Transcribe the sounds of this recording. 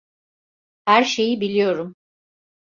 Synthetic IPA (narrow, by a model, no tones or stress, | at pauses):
hæɾʃe̞jibilʲijo̞ɾum